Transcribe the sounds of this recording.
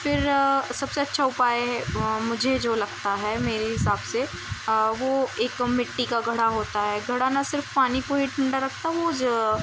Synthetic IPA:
fɪɾsɐbseɐtːʃʰaʊpaːemʊd͡ʒʱed͡ʒoːlɐɡt̪aɦɛmeːɾeɦɪsaːbse | ʋoeːkmɪʈːikaɡʱɐɽaɦoːt̪aɦɛɡʱɐɽ̤anasɪɾfpaːnikoːɦiʈʰɐ̃ɳɖaɾɐkʰt̪aɦɛʋod͡ʒ

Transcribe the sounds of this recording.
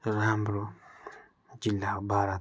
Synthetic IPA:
ɾambɾo | d͡ʒilːakbaɾa

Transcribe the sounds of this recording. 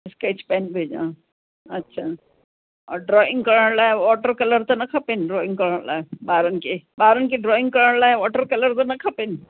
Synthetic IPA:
ɪskaɪt͡ʃpɛːnbʱeːd͡ʒã̰ː | ɐtːʃʰa | ɔːɾɖɾɔːɪ̃ŋɡkɐɾəɳlaːeʋɔːʈəɾkɐləɾt̪onɐkʰɐpenɖɾɔːɪ̃ŋɡkɐɾəɽla̰ːebaːɾənkebaːɾənkeɖɾɔːɪ̃ŋɡkɐɾəɽlaːeʋɔːʈəɾkɐləɾt̪onɐkʰɐpɪn

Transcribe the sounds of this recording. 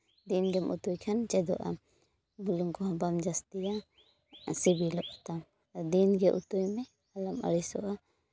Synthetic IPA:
d̪inɡɛmʔṵt̪ujkʰant͡ʃɛd̪ɔ̰ʔa̰ | buluŋkɔɦãbamd͡ʒast̪ija | sibilɔʔɔt̪am | d̪inɡɛʔut̪ujmɛ | alama̰ɽisɔ̰ʔa

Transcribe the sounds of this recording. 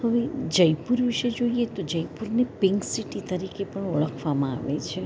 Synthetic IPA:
həʋed͡ʒəjpuɾʋiʃed͡ʒoiet̪od͡ʒəjpuɾnepɪŋksiʈit̪əɾikepəɳoɭəkʰʋamãa̰ʋet͡ʃʰe

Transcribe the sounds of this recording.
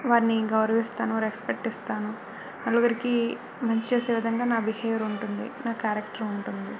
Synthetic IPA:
ʋaːɾniɡɐwɾɐʋist̪aːnuʋaːɾekspek̚ʈist̪aːnu | nɐɭuɡɐɾiki | mɐɲt͡ʃt͡ʃeːseːʋid̪ʱɐŋɡaːnaːbihejɐɾuɳʈund̪ḭnaːkaːɾɐkʈɐɾuɳʈund̪i

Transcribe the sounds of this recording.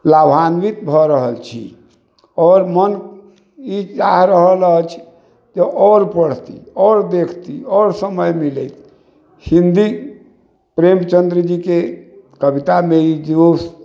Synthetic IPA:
labʱanbit̪bʱɔɾəɦəlt͡ʃʰḭ | ɔːɾmən | it͡ʃaɦɾəɦələt͡ʃʰ | d͡ʒeʔɔɾpəɽ̤t̪ḭɔɾd̪ekʰt̪iɔɾsəməjmilət̪ʰ | hĩnd̪i | pɾemt͡ʃənd̪ɾd͡ʒikekəbit̪ameid͡ʒ̪os

